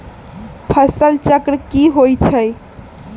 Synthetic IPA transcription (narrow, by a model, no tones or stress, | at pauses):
pʰəsəlt͡ʃəkɾəkiɦojt͡ʃʰəj